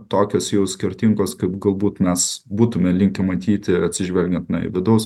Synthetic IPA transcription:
t̪oːkʲoːsjɛʊsʲkʲɪɾʲt̪ʲiŋɡoːskɐɪpɡɐlˠbuːt̪mʲɛsbuːt̪ʊmʲɛlʲɪŋʲkʲɛmɐt̪ʲiːt̪ʲɪɐt̪ʲsʲɪʒʲʋʲɛlʲɡʲɛnt̪nɐ̰ɪ̰ʋʲɪd̪ɐʊs

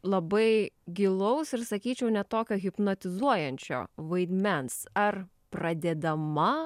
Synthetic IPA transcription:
lˠɐbɐɪɡʲɪlˠɐʊsɪɾsɐkʲiːt͡ʃʲɛʊnʲɛt̪oːkʲoːɣʲɪpnɐt̪ʲɪzuɔjɛnʲt͡ʃʲo̰ːʋɐɪd̪ʲmʲɛnsɐr | pɾɐd̪ʲɛd̪ɐmɐ

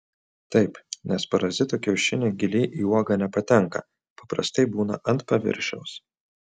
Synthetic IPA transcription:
t̪ɐɪpnʲɛspɐɾɐzʲɪt̪oːkʲɛʊʃʲɪnʲeːɡʲɪlʲiːʔiːuɔɡɐnʲɛpɐt̪ʲɛŋˑkɐ̰ | pɐpɾɐ̰st̪ɐɪbuːnɐ̰ʔɐnt̪pɐʋʲɪ̰ɾʲʃʲɛ̰ʊs

